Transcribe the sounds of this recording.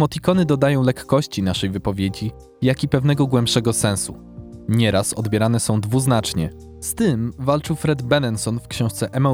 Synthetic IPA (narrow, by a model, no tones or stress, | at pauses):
mɔt̪ʲikɔnɘd̪ɔd̪ajɔ̃w̃lɛkːɔɕt͡ɕinaʂɛjvɘpɔvʲjed͡ʑi | jakʲipɛvnɛɡɔɡwɛmpʂɛɡɔsɛ̃ñsu | ɲɛɾasɔ̰d̪bʲjɛɾanɛsɔ̃w̃d̪vuznat͡ʂɲɛ̰ | st̪ɘmvalt͡ʂɘwfɾɛd̪bɛnɛnsɔnfkɕɔ̃w̃ʂt̪sɛʔɛmɔ